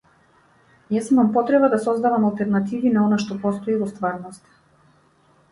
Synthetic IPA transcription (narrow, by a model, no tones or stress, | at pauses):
jasmampɔt̪ɾɛbad̪asɔzd̪avamalˠt̪ɛɾnat̪ivinaɔnaʃt̪ɔpɔst̪ɔivɔst̪vaɾnɔst̪